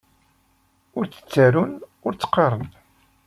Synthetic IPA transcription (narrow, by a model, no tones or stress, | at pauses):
ʊɾt͡sə̥t͡sːaɾunʊɾt͡sːə̥qːɑɾˤən